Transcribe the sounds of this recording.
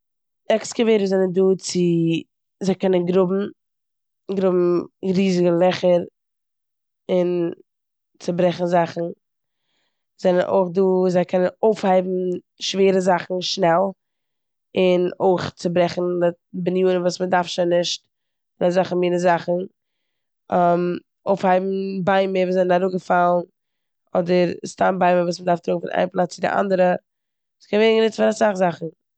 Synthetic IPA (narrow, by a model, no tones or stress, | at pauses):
ɛksɡəveɪɾəzɛnənduːt͡sɪ | zaɪkɛnənɡɾʊbm̩ | ɡɾʊbm̩ɾiːzɪɡəlˠɛχəɾ | ɪn | t͡sɪbɾɛχn̩zaχn̩ | z̥ɛnənʔo̰ɪχduːzaɪkʰɛnənoʊfhaɪbm̩ | ʃveːɾəzaχn̩ʃnɛlˠ | ɪnoɪχt͡sɪbɾɛχn̩ | bɪnjuːnənvuːsmədaɾfʃaɪnːɪʃt | nazaχəmiːnəzaχn̩ | am | oʊfhaɪbm̩baɪmɪviːzɛnənaɾuɡəfalˠn | ɔdəɾstaːnbaɪməvuːsmədaɾftɾʊːkŋ̩fɪ̰nʔa̰ɪnplˠat͡st͡sɪdɪ̰ʔa̰ndəɾə | uskʰɛnveːnŋɡənɪt͡stfɪnasaχzaχn̩